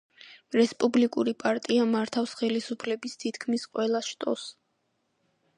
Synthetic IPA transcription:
ɾɛspʼublikʼuɾipʼaɾt̪ʼiamaɾt̪ʰafsχɛlisupʰlɛbist̪ʰit̪ʰkʰmisqʼwɛlˠaʃt̪ʼɔ̰s

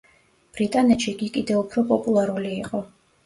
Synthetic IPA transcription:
b̥ɾit̪ʼanɛt̪ʃikʼikʼid̪ɛupʰɾɔpʼɔpʼulˠaɾuliːqʼɔ

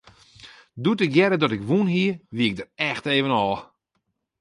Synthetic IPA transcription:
dutɪkjɛɾədɔtɪkʋunɦiəʋiɪk̚dərɛxteːvənɔlˠ

